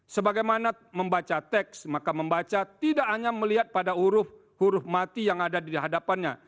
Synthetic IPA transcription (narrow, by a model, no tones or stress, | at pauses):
səbaɡajmana | məmbat͡ʃat̪ɛksmakaməmbat͡ʃat̪idaʔaɲaməliɦat̪̚padauɾʊf | huɾʊhmat̪ijaŋadadiɦadapanɲa̰